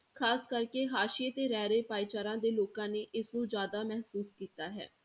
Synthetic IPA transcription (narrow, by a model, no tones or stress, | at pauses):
kʰaːskəɾkeːɦaːʃeːt̪eːɾɛːɾeːpaːit͡ʃaːɾãːd̪eːloːkãːneːʔɪsnũːd͡ʒjaːd̪aːmɛɦsuːskiːt̪aːɦɛ̰ː